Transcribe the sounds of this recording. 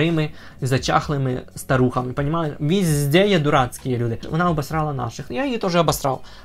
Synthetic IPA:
ɾɪmɪ | zɐt͡ʃa̰xlˠɪmɪst̪ɐɾuxɐmɪpɐnʲɪmalɪʋʲizʲzʲd̪ʲɛjɛd̪ʊɾɑt̪sʲkʲijɛlʲud̪ɪʋɔ̰naɔbɐst̪ɾɑlˠɐna̰ʂɨxjajjit̪oʒɛɐbɐsɾɑ̰w

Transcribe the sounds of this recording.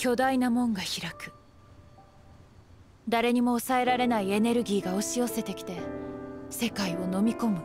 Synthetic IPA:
kʲo̞d̪ainamõ̞ŋɡaçiɾakɯ̟̥ | d̪aɾe̞ɲ̟imo̞ːsae̞ɾaɾe̞naie̞ne̞ɾɯ̟ɡʲiːɡao̞ɕio̞se̞t̪e̞kʲi̥t̪e̞ | se̞kaio̞no̞mʲiko̞mɯ̟

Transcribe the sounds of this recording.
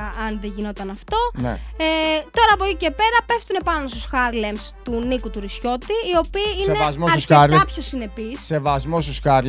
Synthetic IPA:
ʔɐnðeʝino̞t̪ɐnɐft̪o̞nḛet̪o̞ɾɐːpocice̞pe̞ɾɐpe̞ft̪une̞pɐno̞st̪usxɐɾlemst̪unikut̪uɾisço̞t̪iio̞piːineɐzmosɐsɐɾlɐpçosine̞pisse̞vɐzmost̪usxɐɾl

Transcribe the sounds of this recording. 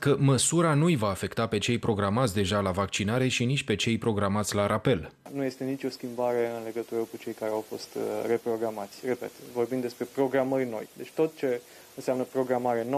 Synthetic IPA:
kəməsuɾanujvaːfe̞kt̪ape̞t͡ʃe̞jpɾo̞ɡɾamat̪sʲd̪e̞ʒalavakt͡ʃinaɾe̞ʃinit͡ʃʲpe̞t͡ʃe̞jpɾo̞ɡɾamat̪sʲlaɾʔape̞lnuje̞st̪e̞nit͡ʃʲo̞skʲimbaɾe̞ɨnle̞ɡət̪uɾəkut͡ʃe̞jkaɾe̞awfo̞st̪re̞pɾo̞ɡɾamat̪sʲre̞pe̞̰t̪vo̞rbimd̪e̞spɾe̞pɾo̞ɡɾamərʲno̞̰jd̪e̞t͡ʃʲt̪o̞t̪̚t͡ʃe̞ | ɨnseamnəpɾo̞ɡɾamaɾe̞no

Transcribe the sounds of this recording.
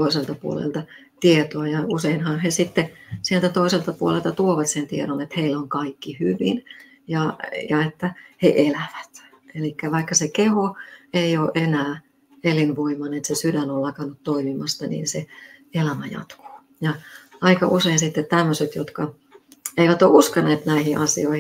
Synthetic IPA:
toiselt̪ɑpuo̰lḛlt̪ɑ | t̪iet̪oɑjɑuseinhɑnhesit̪ːesielt̪æt̪oiselt̪ɑpuolelt̪ɑt̪uoʋɑt̪sent̪ieɾonet̪heiloŋkɑikːihyʋḭn | jɑjɑet̪ːæheʔelæʋæt̪ | elikːæʋɑikːɑsekehoeioːʔʔenæː | elinʋoimɑnet̪sesydænollɑkɑnut̪t̪oimimɑst̪ɑnḭːnseelæmæjɑ̰t̪ko̥ː | jɑɑikɑʔuseinsit̪ːet̪t̪æmːøset̪jot̪kɑ | eiʋæt̪oːʔuskɑnːeːt̪næihiʔɑsioih

